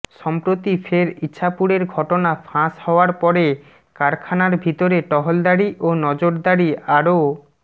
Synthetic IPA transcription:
ʃɔmpɾot̪ifʰeɾitːɕʰapuɽeɾɡʱɔʈonafʰãshɔoaɾpɔɾe | kaɾkʰanaɾbʱit̪oɾeʈɔɦold̪aɾiʔonɔd͡ʑoɾd̪aɾiaɾo

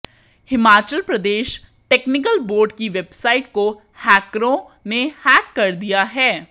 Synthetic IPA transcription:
hɪmaːt͡ʃəlpɾəd̪eːʃ | ʈɛːknɪkəlboːɾɖkiʋebsaːɪʈko | hɛːkɾõ | nehɛːkːɐɾd̪ijaɦɛː

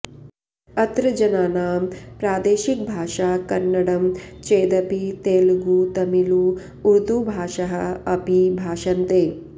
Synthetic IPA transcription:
ɐt̪ɾɐd͡ʒɐnaːnaːmpɾaːd̪eːʃik̚bʱaːʃaːkɐnːɐɽɐmt͡ʃeːd̪ɐpit̪eːlɡuːt̪ɐmiluː | ɾd̪ubʱaːʂɐɦɐ̰ɐpibʱaːʃɐnt̪eː

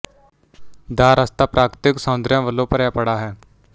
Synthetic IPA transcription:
d̪aːɾəst̪aːpɾaːkɾɪt̪ɪksəːʊnd̪ɾjãːʋəlːõːpəɾjaːpəɽaːɦɛː

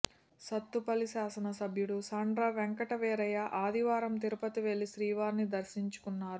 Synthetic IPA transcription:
sɐt̪ːupɐlisaːsɐnɐsɐbʱjuɽusaːɳɖɾɐʋeŋkɐʈɐʋɛːɾɐjɐʔaːd̪iʋaːɾɐmt̪iɾupɐt̪iʋe̞lːiʃɾiːʋaːɾnid̪ɐɾʃiɲt͡ʃu̥kunːaːɾu

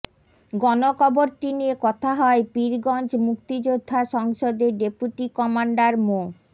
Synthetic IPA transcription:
ɡɔnokʰɔboɾʈiniekɔt̪ʰaɦɔepiɾɡɔnt͡ɕmukt̪id͡ʑod̪ʱːaʃɔŋʃod̪eɖepuʈikɔmaɳɖaɾmo

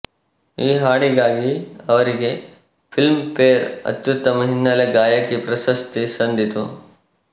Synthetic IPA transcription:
iːɦaːɽiɡaːɡiɐʋɐɾiɡe | pʰilmpeːɾɐ̰t̪ːjut̪ɐmɐɦinːaleɡaːjɐkipɾɐsɐst̪isɐ̃nd̪ʱit̪u

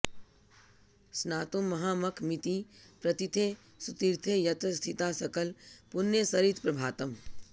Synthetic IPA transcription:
snaːt̪õmːɐɦaːmɐkʰmɪt̪ipɾɐt̪it̪ʰe | sut̪iɾt̪ʰejɐt̪ɾəst̪ʰit̪aːsɐkəlpʊnjəsɐɾit̪pɾɐbʱaːt̪əm

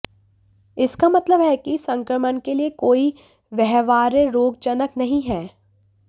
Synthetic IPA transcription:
ɪskamɐt̪ləbɦɛkisɐ̃ŋkɾəmənkeliekoːi | ʋɛɦʋaːɾəɾoːɡ̚t͡ʃənəknɐɦĩɦɛː

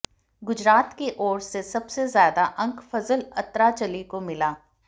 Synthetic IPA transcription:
ɡʊd͡ʒɾaːt̪keʔɔːɾsesɐbsezjaːd̪aʔɐ̃ŋkfɐzəlɐt̪ɾat͡ʃɐlikomɪlaː

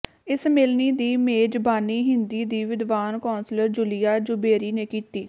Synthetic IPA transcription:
ɪsmelniːd̪iːmeːd͡ʒbaːniːɦɪnd̪iːd̪iːʋɪd̪ʋaːnkoːnsləɾd͡ʒʊlijaːd͡ʒʊbeːɾiːneːkiːt̪iː

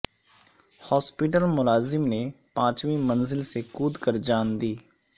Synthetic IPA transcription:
hɔːspɪʈ̬əlmʊlaːzɪmneːpãːt͡ʃʋĩːmənzɪlseːkuːd̪kəɾd͡ʒaːnd̪iː

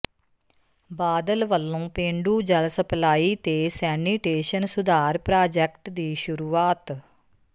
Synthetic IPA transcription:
baːd̪əlʋəlːõːpẽːɳɖuːd͡ʒəlsəplaːiːt̪eːsɛːniʈeːʃənsʊd̪aːɾpɾaːd͡ʒɛkʈd̪iːʃʊɾuːaːt̪

